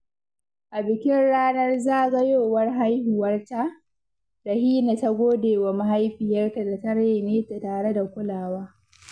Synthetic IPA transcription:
ʔa˨bɪ˨kʲɪ˦nɽaː˦nɐ˦rzaː˦ʔɡɐ˦joː˦˨wɐ˦rɦa˦jhu˨wɐ˦rta˦ | da˨hiː˦na˨ta˦ɡʷoː˦deː˨wa˨ma˦ɦa˦jɸɪ˨jɐ˦rka˨da˨tɐ˦ɽa˦˨neː˦ta˨taː˨ɽe˦da˨kʷʊ˦laː˨waː˦

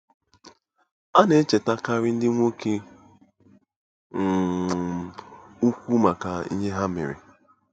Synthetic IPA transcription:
a˦ne˦t͡ʃe˨ta˦ka˦ɾɪ˦n̩˦dɪ˦ŋʷo˦ke˦˨ | u˦kʷu˦ma˨ka˨ḭ˦ɲe˦ɦa˦mḛ˨ɾḛ˨

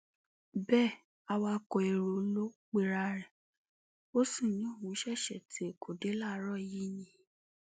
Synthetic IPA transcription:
bɛː˦˨ | a˧wa˧kɔ˧˨e˨ɾo˨˦lo˦k͡pe˧ɾa˧ɾɛ˨ | o˦sũ˦˨jɔ̃˨˦o˦˨wũ˨˦ʃɛ˦˨ʃɛ̰˨ti˨˦e˨ko˨de˨˦la˦˨˦ɾɔ˦˨ji˦nĩ˦

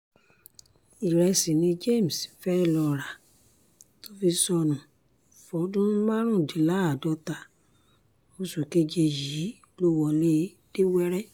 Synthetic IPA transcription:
i˨ɾɛ˧si˨nĩ˧d͡ʒe˦˨m̩˨sfɛ˦˧˨lɔ˧ɾa˨ | to˦fi˧sɔ˧nũ˨ | fɔ˨˦dũ˦mã˦ɾ̃ũ˦˨di˨˦la˦a˨dɔ˧˦ta˧ | mo˧su˨ke˧d͡ʒe˧ji˨˦ | lo˦wɔ˧le˦ | d̥e˦wɛ˦ɾɛ˦

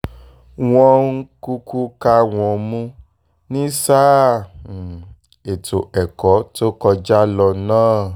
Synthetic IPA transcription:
w̃ɔ̃˧ŋ̩˦ku˧ku˦ka˧w̃ɔ̃˧˨mũ˦ | nĩ˦saː˦˨ | e˨to˨ɛ˨kɔ˨˦to˦kɔ˧d͡ʒa˦lɔ˧nãː˦˨

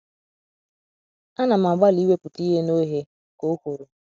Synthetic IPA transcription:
a˦na˨m˨a˨ɡ͡ba˦li˦we˦pʊ˨ti˦ɦe˦no˦ɦe˦ | ko˦ko˨ɾo˨

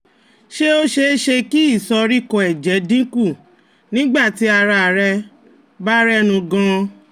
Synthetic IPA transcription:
ʃe˦o˦ʃe˧˦ʃe˧ki˦i˦˨sɔ˧ɾi˦kɔ̃˨ɛ˨d͡ʒɛ˨˦dĩ˦ku˦˨ | nĩ˦ɡ͡ba˦˨ti˨˦a˧ɾa˧˨ɾɛ˧ | ba˦ɾɛ˦nũ˧ɡã˧

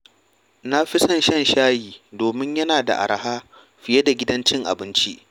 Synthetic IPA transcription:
na˦ɸɪ˦sɐ˦˨nʃɐ˦˨nʃaː˦jiː˨doː˨mɪ˦ɲjɐ˦naː˨da̰˨ʔa̰˨ɾɐ˨haː˦ | ɸɪ˨je˦da˨ɡʲɪ˦dɐ˦nt͡ʃɪ˦ŋʔa̰˨bɪ˦nt͡ʃi˦ʔ

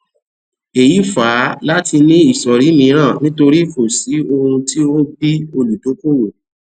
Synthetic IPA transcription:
e˨ji˨˦faː˨˦la˦ti˧nĩ˦i˦˨sɔ˨ɾi˨˦mĩ˧˦ɾ̃ãː˦˨nĩ˦to˧ɾi˦fo˨si˨˦o˧hũ˧ti˦o˦bi˦o˧lu˨to˨˦ko˦wo˨

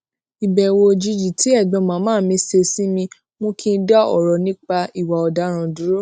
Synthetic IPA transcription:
i˨bɛ˨wo˧d͡ʒi˧d͡ʒi˨tʰi˨˦ɛ˦˨ɡ͡bɔ̃˨˧˦mãː˨˦mãː˦˨mĩ˧˦se˧si˦mĩ˧ | mõ˦kʰĩ˦˧˦da˦ɔ̰˦˨ɾɔ˨nĩ˦k͡pa˧i˦˨wa˨ɔ˨da˨˦ɾ̃ã˧du˨˦ɾo˦

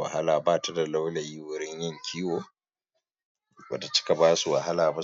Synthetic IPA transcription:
wa̰˨ha˦laː˨baː˦˨ta˦da˨la˦wla˨jiː˦wʊ˨ɾɪ˦ɲjɪ˦ŋkʲʰiː˦woː˨ | bɐ˨ta˨t͡ʃɪ̥˦ka˨baː˦su˨wa˨ha˦laː˨ba˦

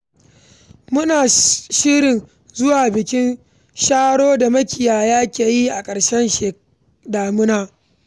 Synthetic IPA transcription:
mʊ˦naː˨ʃiː˦ɾɪ˨n | zʊ˦waː˨bɪ˨kʲɪ˦n | ʃaː˦ɽoː˦da˨mɐ˦kʲɪ˨jaː˨jaː˦kʲeː˨ji˦ʔa˨kʼɐ˨ɽʃɛ˦nʃe˨ | daː˨mʊ˦naː˦

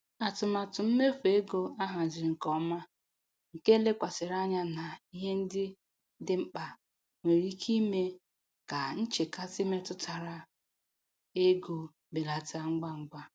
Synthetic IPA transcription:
a˨tʊ˨ma˨tʊ˨m̩˦me˦fe˦ɡo˦a˦ɦa˨zɪ˨ɾŋ̩˨kɔ˨˦ma˦ | ŋ̩˨ke˦le˦kʷa˨sɪ˨ɾa˦ɲa˦na˨i˦ɦe˦n̩˦dɪ˦ | dɪ˦m̩˦k͡pa˨ | ŋʷe˨ɾi˦kʰi˦me˦ | ka˨n̩˦t͡ʃe˨ka˦si˦me˦tʊ˦tʰa˨ɾa˨ | e˦ɡo˨ | be˨la˨ta˦ŋ͡m̩˦ɡ͡ba˦ŋ͡m̩˦ɡ͡bʷa˦

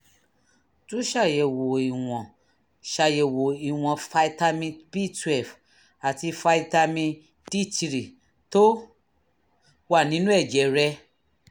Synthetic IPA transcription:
tũ˦ʃa˦˨jɛ˨wo˨i˨w̃ɔ̃˨ | ʃa˨jɛ˨wo˨i˨w̃ɔ̃˨fa˧i˧ta˧mĩ˧pi˦tɛ˨f | a˨ti˧fa˧i˧ta˧mĩ˧ | di˦ti˧ɾi˨ | to˦ | wa˦˨nĩ˨˦nũ˦ɛ˦˨d͡ʒɛ˨˦ɾɛ˧

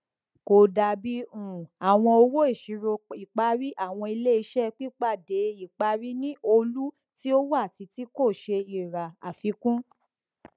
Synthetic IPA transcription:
ko˨da˨bi˦ũ˨a˨w̃ɔ̃˧o˧wo˦i˦˨ʃi˨˦ɾo˧i˨k͡pa˧ɾi˦ʔa˦˨w̃ɔ̃˧i˧le˦i˧˦ʃɛ˦k͡pi˦k͡pa˦˨de˨˦i˦˨k͡pa˧ɾi˦nĩ˦ʔo˧lu˦ | ti˦o˦wa˦˨ti˧ti˦ko˦˨ʃe˧i˨ɾa˨a̰˨fi˨˧˦kũ˦

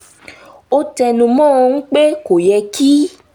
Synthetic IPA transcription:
o˦tɛ˧nũ˧mɔ̃˦˨˧n̩˦k͡pe˦ko˨jɛ˧kʰi˦

